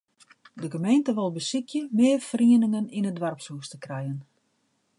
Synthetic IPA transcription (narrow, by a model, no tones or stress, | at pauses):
dəɡəmejntəʋɔlˠbəsikʰjəmɪərfriənɪŋəninədʋarpsuəstəkrɛjən